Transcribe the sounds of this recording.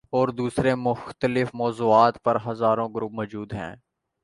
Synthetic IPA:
ɔːɾd̪uːsɾemʊxt̪əlɪfmɔːzuːaːt̪pɐɾɦɐzaːɾõːɡʊɾʊp̚mɔːd͡ʒuːd̪ɦɛ̰̃ː

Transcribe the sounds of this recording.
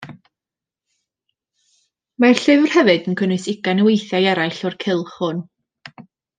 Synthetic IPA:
marɬɪvrhɛvɨdənkʰənɨsɪɡanəwejθjajɛɾajɬɔrkʰɪlˠχʊn

